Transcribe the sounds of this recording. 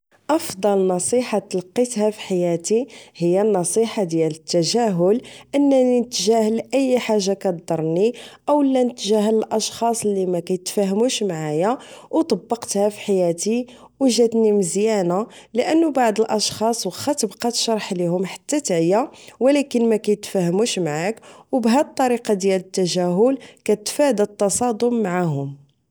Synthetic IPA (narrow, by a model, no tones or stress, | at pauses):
ʔɑfd̪ˤɑlnɑsˤiħat̪lqːit̪hæfi̥ħajæt̪ihəjːænːɑsˤiħad̪jælət̪ːæʒæɦʊlʔənːæninət̪ːʒæhəlʔəjːħaʒːakæt̪d̪ˤɑɾˤniʔæwəlːænət̪ːʒæɦələlʔɑʃxɑsˤəlːimækæjət̪fæɦəmuʃmaʕajæwt̪ˤɑbːɑqt̪hæfi̥ħajæt̪i | wʒæt̪niməzjænæləʔənːʊbaʕd̪əlʔɑʃxɑsˤwxæt̪əbqɑt̪ʃɑɾˤħlihʊmħḁt̪ːæt̪ʕəjawəlækənmækæjət̪fæhəmuʃmaʕakwbɦæt̪ˤːɑɾiqɑd̪jælət̪ːæʒæɦʊlkæt̪fæd̪ət̪ːɑsˤɑd̪ʊmːaʕaɦʊm